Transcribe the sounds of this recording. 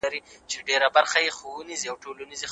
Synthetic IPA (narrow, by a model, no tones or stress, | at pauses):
aɾit͡ʃeɖeɾabaɾxajexouniziawʈolanizi